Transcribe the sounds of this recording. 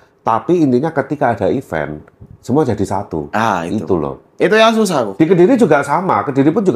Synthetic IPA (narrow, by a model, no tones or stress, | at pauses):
t̪apiːnt̪iɲakət̪ikaːdaifɛ̰n | səmuad͡ʒadisat̪ṵait̪ulɔ̰h | it̪ujaŋs̬us̬ahk̪ud̥ikədiɾid͡ʒuɡaʔsamakədiɾipʊnd͡ʒuɡ